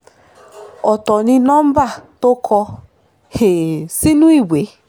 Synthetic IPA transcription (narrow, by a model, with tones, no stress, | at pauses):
ɔ˨tɔ˨nɪ˦nɔ˦m̩˦ba˦˨to˦kʰɔ˧ | he˨si˦nu˦i˦˨we˨˦